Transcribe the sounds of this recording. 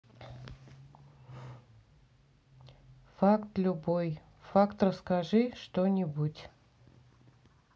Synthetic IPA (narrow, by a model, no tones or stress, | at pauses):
fakt̪lʲʊboj | fakt̪rəskɐʐɨʂt̪onʲɪbutʲ